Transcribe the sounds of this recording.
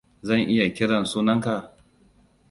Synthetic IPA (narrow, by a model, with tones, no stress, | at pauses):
zɐ˦˨ŋʔɪ˦ja˨kʲɪ˦ɽɐ˨nsuː˦nɐ˦ŋka˨ʔ